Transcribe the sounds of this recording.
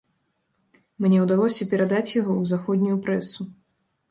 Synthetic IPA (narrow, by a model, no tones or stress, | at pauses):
mnʲɛwd̪alˠɔsʲɐpʲɛɾad̪at͡sʲjaɣɔwzaxɔd̪ʲnʲujupɾɛsu